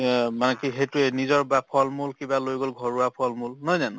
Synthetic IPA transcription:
manɛkiɦejtuenizɔɹbapʰɔlmulkibalojɡolɡʱɔɹuapʰɔlmulnɔjzan

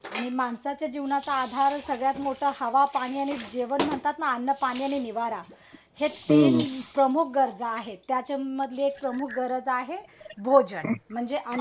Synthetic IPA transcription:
añimaɳsat͡ɕjad͡ʑiʋnat͡saːd̪ʱaɾsəɡɭjat̪moʈʰəːhəʋapaɽ̃iaɽ̃id͡ʑeʋənm̤əɳt̪at̪naːnːəpaɽ̃iaɽ̃iniʋaɾa | het̪epɾəmuk̚ʰɡəɾd͡zaɦet̪ːjat͡ɕeməd̪ʱljeːk̚pɾəmukʰɡəɾəd͡zaɦebʱod͡ʑəɳm̤əɳd͡zeʔan

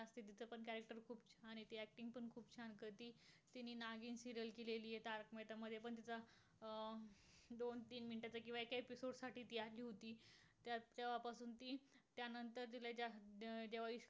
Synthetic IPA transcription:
əst̪iːt̪̬it͡səpəɳkæɾek̚ʈəɾkʰuːp̚t͡ɕʰaɽ̃it̪iæk̚ʈiŋɡ̚pəɳkʰuːbt͡ɕʰankət̪iː | t̪inːiːnaɡiːnsiɾəlkeleliːjet̪aɾkmet̪aməd̪ʱːjepəɳt̪̬it͡sa | d̪ont̪iːnminiʈat͡sakĩw̃ʋaekaepisoɽsaʈʰiːt̪iːaliːɦot̪iː | t̪jat͡ɕjaʋapasuːnt̪iːt̪janənt̪əɾt̪ilad͡ʑad͡ʑeʋaiɕ

